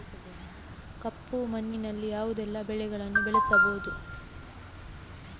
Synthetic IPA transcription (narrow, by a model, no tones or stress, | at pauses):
kɐpːumɐnːinɐlːijaːʋud̪ɛlːɐbɛɭɛɡɐɭɐnːubɛɭɛsɐboːd̪u